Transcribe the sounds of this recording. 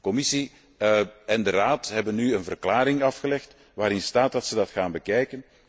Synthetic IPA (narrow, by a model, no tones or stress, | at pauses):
kɔmɪsi | ɛndəraːtɦɛbənːyənvərklaːɾɪŋɑfxəlɛxt | ʋaːɾɪnstaːt̚dɑtsədɑtxaːnbəkɛjkən